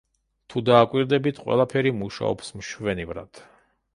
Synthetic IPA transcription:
t̪ʰud̪aːkʼwiɾd̪ɛbit̪ʰqʼwɛ̰lˠapʰɛɾimuʃa̰ɔ̰psmʃvɛnivɾa̰d̪̥

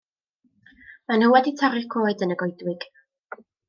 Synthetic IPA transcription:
manhəwɛditʰaɾɪkʰoːɨdənəɡɔjdwɪɡ̥

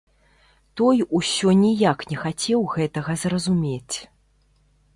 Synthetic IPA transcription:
t̪ɔjusʲɔnʲijaknʲɛxat͡sʲɛwɣɛt̪ɐɣɐzrɐzumʲet͡sʲ

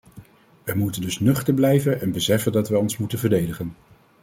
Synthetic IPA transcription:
ʋəjmutəndɵsnɵχtəɹblɛjvənɛnbəsɛfəndɑtʋɛɔnsmutənvəɹdejdəχən

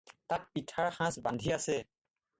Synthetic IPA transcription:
tat̚pitʰaɹxãsbandʱiasɛ

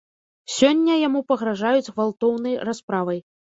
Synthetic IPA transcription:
sʲɔnʲːɐjamupɐɣɾaʐajud͡zʲɣvalˠt̪ɔwnɐjraspɾavɐj

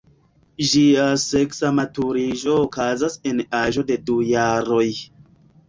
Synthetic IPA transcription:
ʒiaseksamatuɾiʒo̞ːkazasenaʒo̞de̞dujaɾoj

